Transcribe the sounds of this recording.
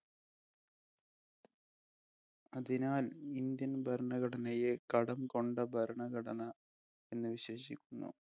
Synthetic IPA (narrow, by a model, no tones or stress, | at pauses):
ɐðinaːlind̪jɐnbʱɐɾɐɳɐɣɐɽɐnɐjekɐɽɐmko̞ɳɖɐbʱɐɾɐɳɐɣɐɽɐnɐ | e̞nːɨʋiɕe̞ːɕikʲːunːṵ